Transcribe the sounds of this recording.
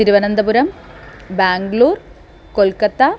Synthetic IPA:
iɾuʋɐnɐnd̪ɐpuɾɐmbaːŋɡɭuːr | kolkɐt̪ːa

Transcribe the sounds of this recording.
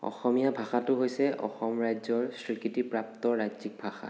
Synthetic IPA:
ɔ̰xɔmijabʱaxatʊɦojsɛʔɔ̰xɔmɹajzɔɹsɹikitipɹap̚tɔɹajzik̚bʱaxa̰

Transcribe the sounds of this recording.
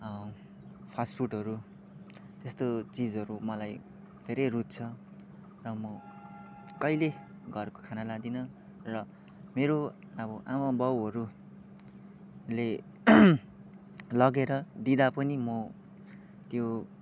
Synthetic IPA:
ʌ | pʰaspʰuʈɦʌɾu | t̪est̪ot͡sid͡zɦʌɾumʌlaj | d̪ʱeɾʌjrut̪̚t͡sʰʌ | rʌmʌ | kʌjle | ɡʱʌrko̥kʰanalad̪inʌ | rʌ | meɾo | ʌbʌʔamabʌwɦʌɾu | le | lʌɡeɾʌd̪id̪apʌnimʌ | t̪jo

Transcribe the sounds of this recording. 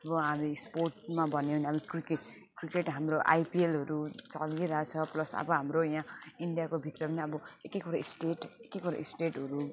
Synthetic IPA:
ʌbʌɦamisporʈmabʱʌnenabikrike | krikeʈɦamroʔa̰jpielɦʌɾut͡sʌ̰lɡiɾʌɦat͡sʰʌplʌsʌ̰bʌɦamrojãiɳɖijakobʱit̪rʌpʌniʌbʌekekuɾaisʈeʈekekuɾa̰ḭsʈeʈɦʌɾu

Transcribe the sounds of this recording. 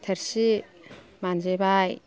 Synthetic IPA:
t̪ʰeɾsi | manzebaj

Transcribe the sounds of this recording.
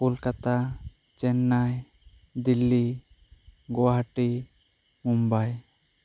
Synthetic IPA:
kolkat̪a | t͡ʃɛnːaj | d̪ilːi | ɡɔwaɦʈi | mumbaj

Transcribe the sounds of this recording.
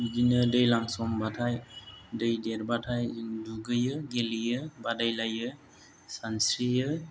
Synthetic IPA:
d͡ʒinɯdɯjlaŋsɔmbatʰajdɯjdeɾbatʰajduɡɯjɯɡelijɯbadajlajɯ | sansɾijɯ

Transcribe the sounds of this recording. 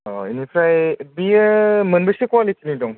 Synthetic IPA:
inipʰɾajbimənbəsikwalitʰinidɔŋ

